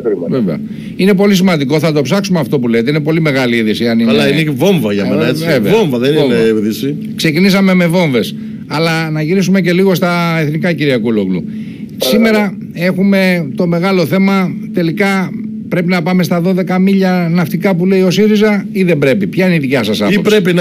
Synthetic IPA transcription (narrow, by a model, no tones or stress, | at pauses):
kɾiveveɐ̰ | ine̞po̞lis̬imɐnd̪iko̞θɐt̪o̞psɐksumeɐft̪o̞pulejet̪eine̞po̞lime̞ɣɐliiðisiɐniɐinevo̞ɱvɐʝɐenɐet͡sivevoɱvɐðenineeðisi | kse̞cinisɐme̞me̞vo̞ɱve̞s | ɐlɐnɐʝiɾisume̞ce̞liɣo̞st̪ɐe̞θnikɐciɾiɐkuloklṵ | sime̞ɾɐ | e̞xume̞t̪o̞me̞ɣɐlo̞θe̞mɐt̪e̞likɐ | pɾe̞pinɐpɐme̞st̪ɐðo̞ðe̞kɐmiʎɐnɐft̪ikɐpule̞io̞siɾizɐiðe̞mbɾe̞pipçɐiniðicɐsɐsɐiopɾe̞pin